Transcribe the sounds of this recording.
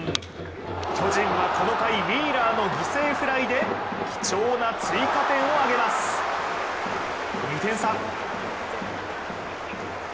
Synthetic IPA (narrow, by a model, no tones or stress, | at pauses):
kʲo̞ʑĩɰβako̞no̞kaimʲiːɾaːno̞ɡʲise̞ːɸɯ̟ɾaid̪e̞kʲi̥t͡ɕo̞ːnat͡sɨikat̪ẽ̞ɰ̃o̞aɡe̞masɨ̥ɨ̥ | ɲʲit̪ẽ̞ɰ̃sãŋ